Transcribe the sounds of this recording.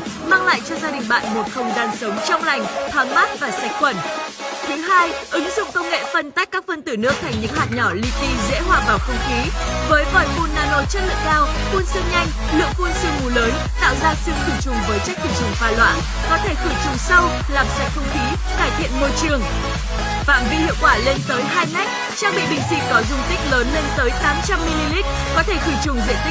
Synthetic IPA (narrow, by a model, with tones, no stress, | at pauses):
maː˧ŋla̰ː˧˨jt͡ɕɔ˧zaː˧ɗï˨˩ŋ̟ɓa̰ː˧˨nɓu˨˩t̚xə˨˩wŋ͡mzaː˨˩nsə˨˦wŋ͡mt͡ɕɔ˧wŋ͡mla˨˩jŋ̟t̪ʰwaː˨˦ŋmaː˦˥t̚vaː˨˩sa˨˩jk̟̚xwə˧˩nt̪ʰi˨˦ɦaː˧jʔɨ˨˦ŋzʊ̰˧˨ŋ͡mkə˧wŋ͡mŋḛ˧˨fə˧˩nt̪a˦˥k̚kːaː˦˥k̚fə˧nt̪ɨ˧˩nɨ˦˥ək̚t̪ʰa˨˩jŋ̟ɲɨ̰˧˥ŋhaː˨˩t̚ɲɔ˧˩lḭ˧t̪i˧zḛ˧˥ɦwaː˧˩ɓaː˧˩wxə˧ŋ͡mxi˨˦vəː˨˦jvɔ˧˩jmo˧˩nnaː˧˩no˧˩t͡ɕə˦˥t̚lɨ̰˧˨əŋkaː˧w | ku˧ənsɨ˧ŋɲa˧jŋ̟ | lɨ̰˧˨əŋku˧ənsɨ˧əŋŋu˨˦ləː˨˦n | t̪a̰ː˧˨wzaː˧sɨ˧mt̪ʰi˧˨˩t͡ɕʊ˨˩ŋ͡mvəː˨˦jt͡ɕa˦˥k̟̚t̪ʰi˧˨˩t͡ɕɨ˨˩ŋ͡mfaː˧lwa̰ː˧˥n | kɔ˨˦t̪ʰe˧˩xɨ˧˩t͡ɕʊ˨˩ŋ͡msa˧w | laː˨˩msa̰˨˧˩jŋ̚xʰə˧wŋ͡mxi˨˦ | kaː˧˩jt̪ʰḭ˧˨ənmo˧jt͡ɕɨ˨˩əŋ | fa̰ː˧˨mvi˧hḭ˧˨əwkwaː˧˩le˧nt̪əː˨˦jɦaː˧jma˦˥jk̟̚ | t͡ɕaː˧ŋɓḭ˧˨ɓḭ̈˧˩ŋ̟sḭ˧˥kɔ˨˦zʊ˧ŋ͡mt̪ï˦˥k̟̚ləː˨˦nle˧nt̪əː˨˦jt̪aː˨˦mt͡ɕa˧mːi˧li˧li˦˥t̚ | kɔ˨˦t̪ʰe˧˩t̪ʰi˧˩t͡ɕʊ˨˩ŋ͡mzḭ˧˩ən̚t̪ï˦˥